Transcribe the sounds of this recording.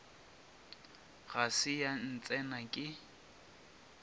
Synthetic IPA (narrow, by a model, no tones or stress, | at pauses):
ɣasɪjan̩t͡sʼɛnakʼɪ